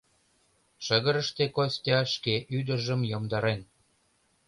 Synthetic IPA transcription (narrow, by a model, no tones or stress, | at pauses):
ʃəɣə̆ɾəʃt̪ekosʲt̪ʲɑʃkeʔyd̪ərʒə̆mjomd̪ɑɾen